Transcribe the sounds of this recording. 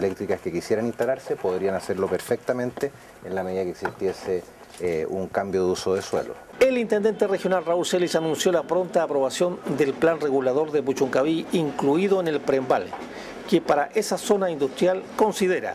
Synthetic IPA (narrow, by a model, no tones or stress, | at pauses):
lek̚t̪ɾikaskekisjeɾanĩnst̪alaɾsepoðɾianaseɾlopeɾfek̚t̪ament̪e | enlame̞ðiðakeksist̪jese | uŋkambjoðeusoðeswḛlo̰ | elint̪end̪e̞nt̪erexjo̞nalraulselisanũnsjo̞lapɾo̞nt̪aːpɾo̞βasjo̞nd̪elplanreɣulaðo̞ɾðep̬ut͡ʃuŋkaβiiŋkluiðo̞ene̞lpɾembal | kepaɾaʔesaso̞naind̪ust̪ɾjalko̞nsið̞eɾa̰